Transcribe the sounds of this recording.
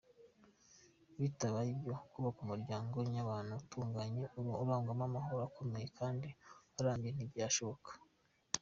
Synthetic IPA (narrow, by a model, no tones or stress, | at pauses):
βitaβaibjo̞kuβakumuɾɟaːŋɡo̞ɲaβaːnutʰuːŋɡaɲe̞ʔuɾuoβaːŋɡamamaɦo̞ɾakʰo̞me̞je̞kʰaːndiaɾaːɲɡijen̥ibjaːʃo̞βo̞kḁ